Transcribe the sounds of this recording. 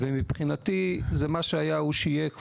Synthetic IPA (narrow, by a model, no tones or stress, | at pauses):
vemipχinat̪izemaʃeajauʃijek